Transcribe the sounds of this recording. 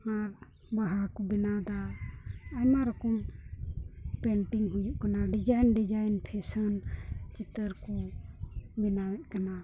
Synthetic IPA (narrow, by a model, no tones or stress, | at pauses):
maɾ | baɦaɾkɔbinad̪aː | maɾɔkɔm | pɛɳʈiŋɡɦud͡ʒuʔkanaɖid͡ʒajnɖid͡ʒajnpʰɛsənt͡ʃit̪əɾkɔ | binawɛʔ̚kana